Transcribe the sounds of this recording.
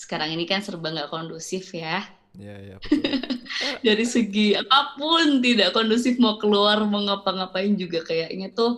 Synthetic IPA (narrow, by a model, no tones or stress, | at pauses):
sə̥kaɾaŋinikansərbaŋɡaʔkondusɪfja | daɾisəɡiapapʊnt̪idaʔkɔndusɪfmakəluarməŋapaŋapaɪnd͡ʒuɡakajaʔɲat̪ʊh